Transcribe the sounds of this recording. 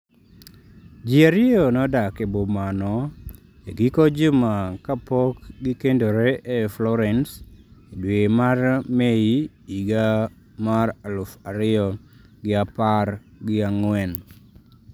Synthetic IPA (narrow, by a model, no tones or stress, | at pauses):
d͡ʒiaɾɪɔnɔdakebomanɔ | eɡikod͡ʒʊmakapɔkɡikendoɾeʔːflɔɾɛnsedwemarmei | iɡa | maralʊfaɾɪɔ | ɡɪapar | ɡɪaŋwɛn